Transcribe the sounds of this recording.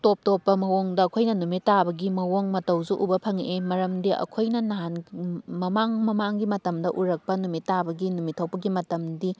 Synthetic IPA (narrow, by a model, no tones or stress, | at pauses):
top̚topːɐmɐwoŋdɐːkʰojnɐnumitːabɐɡimɐwoŋmɐtɐwzuʔubɐpʰɐŋemɐɾɐmdiʔɐ̰kʰojnɐnanmɐmaŋmɐmaŋɡimɐtɐmdɐʔuɾɐk̚pɐnumitːabɐɡinumitʰɐwpɐɡimɐtɐmdi